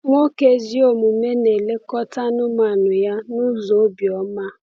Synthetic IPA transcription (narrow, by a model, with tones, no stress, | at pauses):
ŋʷo˦ke˦zi˦o˨mu˨me˦ne˨le˦kɔ˦ta˦nʊ˦ma˨nʊ˨ja˦nu˦zo˨˦bjɔ˨˦ma˦